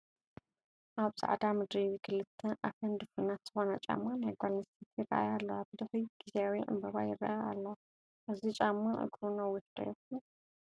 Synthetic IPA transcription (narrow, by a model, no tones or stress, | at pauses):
ʔaβza̰ʕd̪amɨd̪ɾiwikʰɨlɨt̪ʰːɐʔafɐnd̪ɨfɨnat̪z̥ɨxonɐt͡ʃʼa̰mːanajɡʷalnɐsit̪jɪra̰ʔa̰jalːɐabɨd̪ɐxujɡ̥izeawiʕɨ̰mbɐβajɪrːa̰ʔajaalːɐwa | ʔɨzit͡ʃʼamːaʔɨ̰ɡɾunɐwːiħd̪ʼɐ̰jɛk